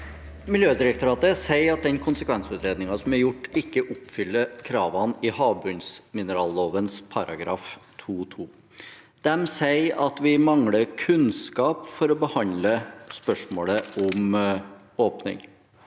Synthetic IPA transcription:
mɪljøːd̪ɪɾək̚t̪ʊɾɑːt̪əsæɪɑt̪̚d̪ɛnkʰʊnsəkʰʋɛnsʉːt̪ɾeːd̪nɪŋɑsɔmæɾjʊʈːɪkːəʔʊpfʏlːəɾkʰɾɑːʋɑnɪhɑːbʉnsmɪnəɾɑːlːoːʋənspʰɑɾɑ̰ɡɾɑ̰ːft̪ʰuːt̪ʰuː | d̪̥ɛmsæɪɑt̪ʋɪmɑŋɽəkʰʉnskɑːpfɔɾɔbəhɑnd̪ləspœʂmoːləɔm | oːpnɪ̰ŋ

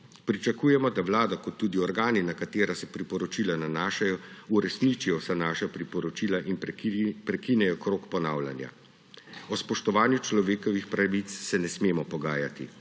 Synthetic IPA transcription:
pɾit͡ʃakuːjɛmɔd̪aʋlaːd̪ɔkɔt̪ːuːd̪iɔɾɡaːninakat̪eːɾasɛpɾipɔɾɔt͡ʃilananaːʃajɔuɾɛsnit͡ʃijɔsanaːʃapɾipɔɾɔt͡ʃiːlaʔinpɾɛkinɛjɔkɾoːkpɔnawla̰nja̰ | ɔspɔʃt̪ɔʋaːnjut͡ʃlɔʋeːkɔʋixpɾaʋit̪sːɛnɛsmeːmɔpɔɡaːjat̪ḭ

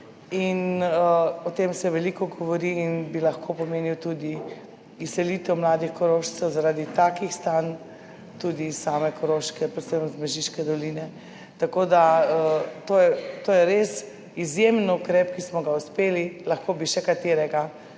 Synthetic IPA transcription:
inəɔt̪emsɛʋɛlikɔɡɔʋɔɾiːnbilɐxkʰopɔmeːniwt̪ud̪i | issɛlit̪ɛwmlaːd̪ixkɔɾoʃt͡s̪ɛwzaɾaːd̪it̪aːkixst̪an | t̪ud̪isaːmɛkɔɾoʃkɛpɾɛt̪səmzmɛʒiʃkɛd̪ɔliːnɛ | t̪akoːd̪aət̪ojɛt̪ojɛɾes | izjemnukɾɛpkismɔɡauspeːlilaxkobiʃɛkat̪eːɾɛɡa

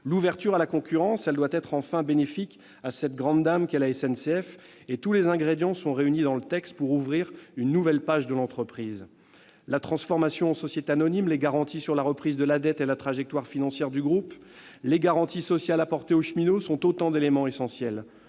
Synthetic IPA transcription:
luvɛʁt̪yʁalakɔ̃kʲyʁɑ̃sɛld̪wat̪ɛt̪χɑ̃fɛ̃benefik | asɛt̪̚ɡʁɑ̃d̪d̪amkɛlaɛsɛnseɛf | et̪ulezɛ̃ɡʁed̪jɑ̃sɔ̃ʁeynid̪ɑ̃lət̪ɛkst̪̚puʁuvʁiʁynːuvɛlpaʒd̪əlɑ̃t̪χəpχiːz | lat̪χɑ̃sfɔʁmasjɔ̃ɑ̃sɔsjet̪eanɔnimleɡaʁɑ̃t̪isyʁlaʁəpχizd̪əlad̪ɛt̪elat̪χaʒɛk̚t̪waʁfinɑ̃sjɛʁd̪yɡʁup | leɡaʁɑ̃t̪isɔsjalapɔʁt̪eoʃminosɔ̃t̪ot̪ɑ̃d̪elemɑ̃esɑ̃sjɛl

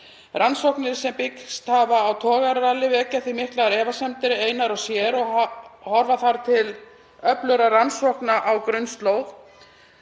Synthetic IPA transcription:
ransowhknɪɾ̥sɛmpɪkst̪havaːwt̪ʰɔːɣaɾːalɪvɛːcaθvimɪhklaɾɛːvasɛmt̪ɪɾeːjnaɾɔwsjɛɾɔhɔɾvaθaɾt̪ʰɪl | œplœɾaransɔhknaʔawkɾʏnst̪lowɣ

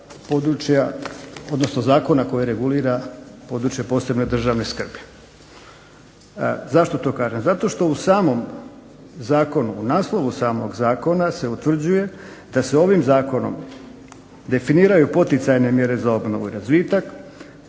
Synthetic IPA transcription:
po̞ːd̪ɾut͡ʃjao̞d̪no̞sno̞zaːko̞nako̞jeɾe̞ɡuliːɾapo̞ːd̪ɾut͡ʃjepo̞ːse̞bno̞d̪r̩ʒaʋne̞skr̩bi | zaʃt̪o̞t̪o̞ːkaːʒemzat̪o̞ʃt̪o̞usaːmo̞m | zaːko̞nuːnaːslˠo̞ʋusaːmo̞ɡzaːko̞nase̞ut̪ʋr̩d͡ʑuje̞d̪̥aseo̞ʋimzaːko̞no̞̰m | d̪e̞finiːɾajupo̞t̪it̪sajne̞mje̞ɾe̞zao̞bno̞̰ʋuiɾazʋiːt̪ak

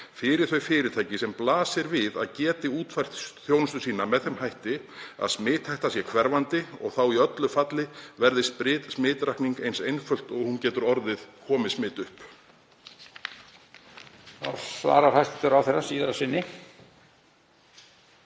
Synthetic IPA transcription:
fɪːɾɪɾ̥θœɥfɪːɾɪt̪ʰajcɪsɛmplaːsɪɾvɪðaðcɛːt̪ɪuːt̪fajr̥t̪sθjownʏst̪ʏsiːnamɛðθɛmhajht̪ɪ | a̰ðsmɪːt̪ʰhajht̪asjɛkʰvɛɾvant̪ɪɔɣθawiœt̪lʏfat̪lɪvɛɾðɪspɾɪːt̪smɪːt̪ɾajhkniŋkejnsejnfœl̥t̪ɔɣhuncɛːt̪ʏɾɔɾðɪðkʰɔːmɪsmɪːt̪ʏhp | a̰ɾ̥sva̰ːɾaɾhajst̪ɪt̪ʏɾawθerːasiːðaɾasɪnːɪ

